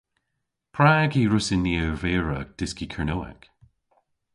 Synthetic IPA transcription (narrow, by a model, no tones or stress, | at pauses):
pʰɹaːɡiːɹʊsɪnːiəwveːɹəd̥ɪskikʰəɹnoːa̰k